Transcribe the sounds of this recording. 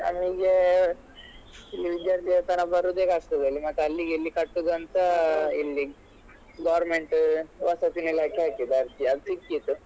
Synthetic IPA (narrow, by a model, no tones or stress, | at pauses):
a̰mniɡe | ilːiʋid̪jaːɾt̪ʰijɐt̪ɐnɐbɐɾud̪eːkaːsʈ̪ɐd̪ɐlːimɐʈ̪ːɐlːiɡeilːikɐʈːud̪ɐnt̪ɐilːi | ɡaʋɾmeɳʈʋɐsat̪inilaːkeaːkid̪aɾt̪iad̪ut͡ʃikːit̪ːu